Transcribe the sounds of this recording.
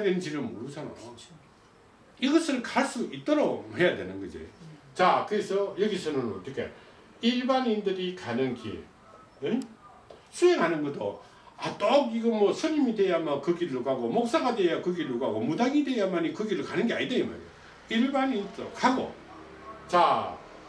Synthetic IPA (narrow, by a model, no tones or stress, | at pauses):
dwennd͡ʑiɾɯɭmoɾud͡ʑana̰jo | iɡʌsʰɯɭkaɭs͈uit͈ʌɾohe̞jadwenɯnɡʌd͡ʑḭt͡ɕakɯɾesʰʌjʌɡisʰʌnɯnʌt͈ɯkʰe̞̰ | iɭbanindɯɾikanɯŋki | sʰueŋɦanɯnɡʌt͈ʰo̰ | at͈okiɡʌmʌsʰɯɲimidejamakɯɡiɾɯɭkaɡomok̚s͈aɡadwejakɯɡiɾukaɡomudaŋidwejamanikɯɡiɾɯɭkanɯnɡea̰ɲidema̰ḛjo | iɭbanintookhaɡo̰ | t͡ɕa